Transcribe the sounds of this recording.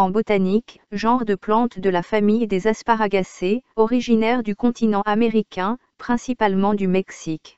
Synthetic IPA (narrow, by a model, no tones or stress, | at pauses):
ɑ̃bot̪anik | ʒɑ̃ʁd̪əplɑ̃t̪d̪əlafamijd̪ezaspaʁaɡaseɔʁiʒinɛʁd̪ykɔ̃t̪ʰinɑ̃ameʁikʲɛ̃ | pχɛ̃sipalmɑ̃d̪ymɛksik